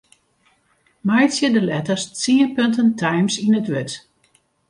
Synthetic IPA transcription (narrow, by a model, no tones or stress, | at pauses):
majtsjədəlɛtəst͡siənpøntəntʰajmsinətʋøt